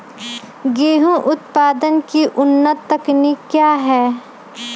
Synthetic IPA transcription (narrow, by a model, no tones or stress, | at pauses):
ɡeːɦũʔʊt̪paːd̪ənkiʔʊnːət̪ːəknikjaːɦɛː